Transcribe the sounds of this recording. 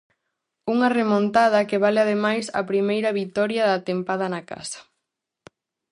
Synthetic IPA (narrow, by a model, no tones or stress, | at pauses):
uŋɐremõnt̪að̞ɐkeβaleaðemajsɐ̰pɾimejɾɐβit̪ɔɾjɐðat̪empað̞ɐnɐka̰sɐ̥